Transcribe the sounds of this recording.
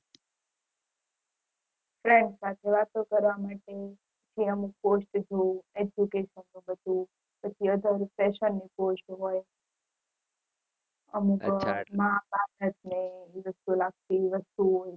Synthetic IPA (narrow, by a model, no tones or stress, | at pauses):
fɾẽɳɖsat̪ʰeʋat̪okəɾʋamaʈepət͡ʃʰiəmuk̚posʈd͡ʒʱũed͡ʒjukeʃənːũbət̪ũ | pət͡ʃʰiəd̪ʱəɾpɛʃənːiposʈɦoj | əmukmɦabakʰət̪neʋəst̪ulaɡ̚t̪iʋəst̪uɦoj